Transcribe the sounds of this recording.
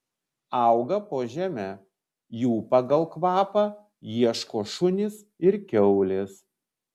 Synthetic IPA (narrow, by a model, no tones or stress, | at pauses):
ɑˑʊɡɐpoːʒʲæmʲæ | juːpɐɡɐlˠkʋɑːpɑ | jiɛʃkoːʃʊnʲɪs | ɪɾkʲɛʊlʲɪs